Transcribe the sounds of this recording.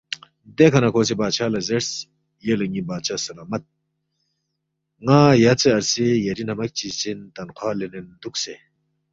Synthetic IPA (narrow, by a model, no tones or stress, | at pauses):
d̪ekʰɐnakʰoːs̬ebaːt͡ʃʰaːlɐzeɾs | jelɐŋibaːt͡ʃʰasɐlaːmɐt̪̚ | ŋãːjat͡seɐɾsejɐɾinɐmɐk̚t͡ʃit͡sint̪ɐnqʰwaːlenend̪ukse